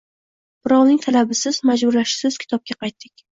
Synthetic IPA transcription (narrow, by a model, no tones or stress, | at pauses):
b̥ɪɾɒwnɪŋt̪ʰalabɪsɪzmad͡ʒbʊɾlaʃsɪz̥kʲʰɪ̥t̪ʰɒp̚kʲaqʰɑjt̪ʰːɪkʲ